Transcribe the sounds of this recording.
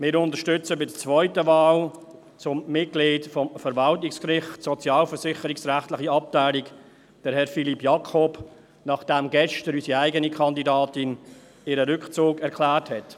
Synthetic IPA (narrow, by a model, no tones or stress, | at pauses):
mɪːɾʊntəʃtʏt͡səbɪdət͡svɔʏtəvɑːl | t͡sʊmːɪt̚ɡ̥lɪːdfɔmfəɾvɑltɪkskɾɪχtsɔt͡sjɑːlfəɾsɪχəɾɪksɾæχtlɪχiɑp̚taɪliɡ | d̥əɾhɛɾfilipːjɑkʰɔb | nɑχd̥ɛmɡɛʃtəɾysiaɪɡənikʰɑndidɑːtɪn | ɪɾəɾʏkχt͡suːɡɛɾkʰlæːrthɛt